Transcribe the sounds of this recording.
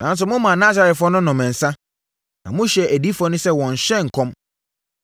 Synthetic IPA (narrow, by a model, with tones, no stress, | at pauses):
nã˨˦n˦s̬ʊ˨mʊ̃˦mã˨naː˦sa˨ɾɛ˨tfɔ̃˦nʊ̃˦nɔ̃˨mɛ̃˨n̩˨sã˦ | nã˨mʊ̃˦ɕɛ˨ʔæ˨di˦fɔ˦nʊ̃˦sɛ˦wɔ̃˨ɲ̩˨ɕɛ˦˨ŋ̩˨kʰɔ̃˦m